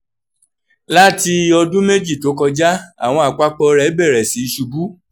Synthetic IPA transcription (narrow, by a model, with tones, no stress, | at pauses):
la˦ti˧ɔ˧dũ˦me˦d͡ʒi˦˨to˨˦kɔ˧d͡ʒa˦a̰˦˨w̃ɔ̃˧a˨k͡pa˦k͡pɔ˧ɾɛ˦bɛ˦˨ɾɛ˨si˨˦˧ʃu˧ɡu˦